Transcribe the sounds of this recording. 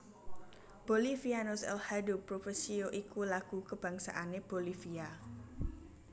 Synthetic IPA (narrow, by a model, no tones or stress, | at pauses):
b̥olifianosɛ̰lhadupɾofesioʔikulaɡ̥ukəb̥ä̤ŋsa̰ʔaneb̥olifia